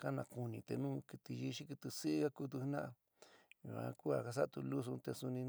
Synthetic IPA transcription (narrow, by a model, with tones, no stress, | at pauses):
ka˦nã˧ku˧nĩ˧t̪ḛ˧nũː˦ki˧t̪i˧ji˧ʃi˦ki˧t̪i˧si˦ɣa˦ku˦t̪̬u˧hnã˦ʔa˧ | jṵ˨ã̰˧ku˦a˨ka˧s̬a˦˧t̪u˧lu˦s̬u˧t̪e˧su˧nĩ˧